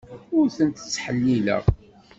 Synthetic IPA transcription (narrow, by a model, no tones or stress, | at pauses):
ʊɾθənt̪ə̥t͡sːħəlːilə̰ʁ